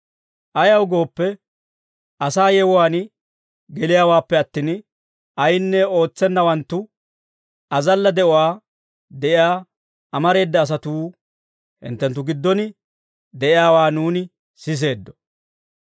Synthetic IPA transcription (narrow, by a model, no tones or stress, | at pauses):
ʔɐjɐwɡo̞ːpːɛ | ʔɐsaːjɛwʊwaːn | ɡɛlɪjaːwaːpːɛɐt̪ːiːn | ɐjnːɛo̞ːt͡sːɛnːɐwɐnt̪ːʊ | ɐzɐlːɐd̪ɛʔʊwaː | d̪ɛʔɪjaː | ɐmɐɾe̞ːd̪ːɐːs̬ɐt̪uː | hɪ̰nt̪ːɛnt̪̬ːʊɡɪd̪ːɔnɪ | d̪ɛʔɪjaːwaːnuːnɪ | sɪs̬e̞ːd̪ːɔ̥